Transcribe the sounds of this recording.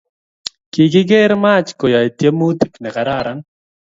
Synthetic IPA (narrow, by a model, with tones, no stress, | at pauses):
ki˨ɡɪ˦ɡe˦ɾma˦t͡ʃko˨jɔ˨i˨t̪je˦mu˦t̪i˦knɛ˨ka˨ɾa˦ɾa˦n